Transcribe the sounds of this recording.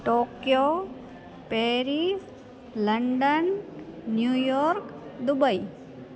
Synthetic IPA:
ʈoːkjo | peːɾis | ləɳɖənː | juːjoːɾkd̪ʊbəi

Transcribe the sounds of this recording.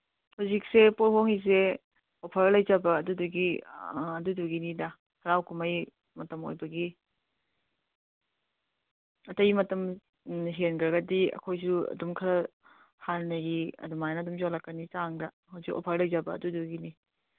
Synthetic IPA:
huzik̚sepolɦoŋiz̬e | opʰɐɾlɐjzɐbɐːduduɡiɐduduɡinidɐ | hɐɾawkʰumɐj | mɐtɐmo̰jbɐɡi | ɐtɐjmɐtɐm | ɦenɡɾɐɡɐdiɐ̰kʰojzuɐ̰dumkʰɐɾɐ | hannɐɡiɐ̰dumajnɐdumzolɐkːɐnit͡ʃaŋdɐ | hɐwzikʔo̰pʰɐɾlɐjzabɐ̰ːduduɡini

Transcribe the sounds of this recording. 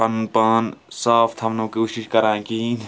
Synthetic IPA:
pɐnpaːnsaːpʰt̪ʰɐmnõkoːʃiʃkɐɾaːẽki

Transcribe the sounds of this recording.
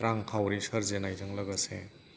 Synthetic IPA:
ɾaŋkʰawɾisɐɾzenajtɯŋlɐɡɐsḛ

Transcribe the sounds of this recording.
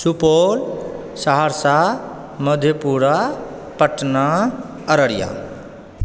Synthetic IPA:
supoːl | saɦaɾsa | məd̪ʱjəpuːɾa | pəʈna | ɐɾəɽja̰

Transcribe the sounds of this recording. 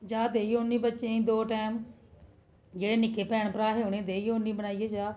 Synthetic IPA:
d͡ʒaːd̪eːiːʊnːĩːbətːt͡ʃeĩːd̪oːʈɛːm | d͡ʒeːɽeːnɪkeːpɛːɳpəɾaːɦeʊnẽːd̪eːiʊnːĩːbəɽ̃aːiːeːd͡ʒaː

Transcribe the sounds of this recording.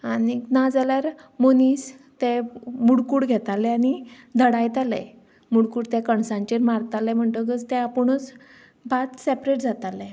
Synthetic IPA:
aninad͡zaljaɾmonis | t̪emuɽkuːɽɡʱɛt̪alɛañi | d̪ʱəɽajt̪alɛ̰ | muɽkuːɽt̪ɛkəɳsãɲt͡ɕeɾmaɾt̪alɛm̤əɳt̪əɡət͡st̪ɛapəɳ̃ət͡s | bʱat̪sepɾeʈ̚d͡zat̪alɛ

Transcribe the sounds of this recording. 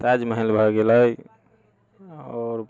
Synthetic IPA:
sad͡ʒməɦlbʱəɡeləj | ɔːɾ

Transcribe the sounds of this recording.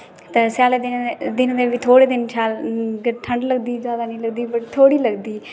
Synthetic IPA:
t̪eːsjaːleːd̪ɪd̪ɪnd̪eːʋit̪ʰoːɽeːd̪ɪnt͡ʃʰaːlɡəʈʰəɳɖləɡd̪iːzjaːd̪aːnəĩːləɡd̪iːbəʈ̚t̪ʰoːɽiːləɡd̪iː

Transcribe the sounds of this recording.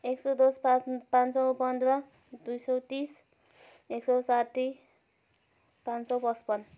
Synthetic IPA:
eksʌd̪osppãnsʌwpʌnd̪rʌ | d̪ujsʌwt̪is | eksʌwsaʈːi | pansʌwpʌspʌn

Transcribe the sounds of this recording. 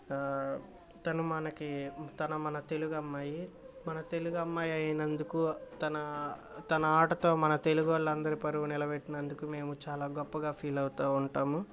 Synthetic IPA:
t̪ɐnumɐnɐkit̪ɐnɐmɐnɐt̪e̞luɡɐmːaːji | mɐnɐt̪e̞luɡɐmːaːjɐjinɐnd̪ukuːt̪ɐnɐ | t̪ɐnɐaːʈɐt̪o̞ːmɐnɐt̪e̞luɡuʋɐɭːɐnd̪ɐɾipɐɾuʋunilɐbeʈːinɐnd̪ukuːme̞ːmut͡ʃaːlaːɡɔpːɐɡaːpʰiːlɐwut̪aːuɳʈaːmu

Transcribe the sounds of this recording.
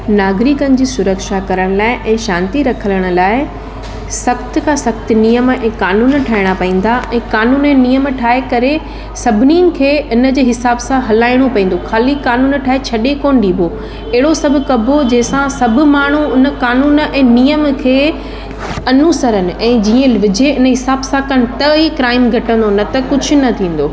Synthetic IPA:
naːɡɾiːkənɪ̆d͡ʑiːsʊɾəkʃakɐɾəɽ̃laːɪʔɛ̃ːʃãːnt̪iɾɐkʰələɽ̃ʊ̆laːɪ | sɐxt̪kʰãsɐkt̪nijəmɛ̃ːkaːnuːnʈʰaːɦɪɽ̃apɐĩːn̆d̪aʔɛ̃ːkaːnuːnɛ̃nijəmʈʰaːɦekɐɾe | sɐbʱɪniənɪ̆kʰeːɪnə̆d͡ʑeːɦɪsaːbsãɦɐlaːɪɽ̃opɐ̃ːn̆d̪oxʰaːlikaːnuːnʈʰaːɦet͡ɕʰɐɗekoːnɗiːbʱo | ɐɦɪɽosɐbʱʊ̆kɐbʱod͡ʑɐɦɪ̃sãsɐbʱʊ̆maːɳ̤uʊnə̆kaːnuːnɛ̃ːnijəmkʰeː | ɐnuːsəɾənɪ̆ʔɛ̃ːd͡ʑiːə̃ʋɪd͡ʑʱeɪnə̆ɦɪsaːbsãkɐnɪ̆t̪ɐikɾaːɪmɡʱɐʈə̃n̆d̪onɐt̪ɐkʊd͡ʑʱʊ̆nɐt̪ʰĩːn̆d̪oː

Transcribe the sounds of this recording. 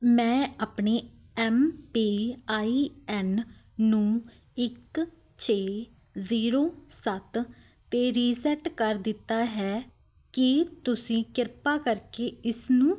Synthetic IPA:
mɛ̃ːaːpɳeː | ɛːmpiːaːiːɛːnː | ũː | ɪk | t͡ʃʰeː | ziːɾoːsət̪ | t̪eːɾiːsɛʈkəɾd̪ɪt̪ːaːɦɛː | kɪt̪ʊsĩːkɪɾpaːkəɾkeːɪsnũː

